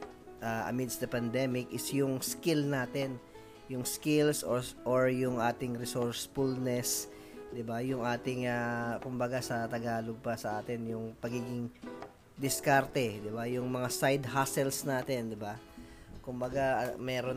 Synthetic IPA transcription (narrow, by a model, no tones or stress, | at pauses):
ʔaʔɐ̰mɪd̪sd̪ɐpɐnd̪ɛmɪkʔɪsjʊŋskɪlnaːt̪ɛn | jʊŋskɪlsoʔoɹjʊŋʔaːt̪ɪŋɾɪsoɹsfulnɛs | d̪ɪbajʊŋaːt̪ɪŋɐkʊmbɐɡasɐt̪ɐɡaːloɡ̚pɐsɐʔaːt̪ɛnjʊŋpɐɡiːɡɪŋ | d̪ɪskaɾt̪ɛd̪ɪbajʊŋmɐŋasajd̪haːsɛlsnaːt̪ɛnd̪ɪbakʊmbɐɡamɛːɾo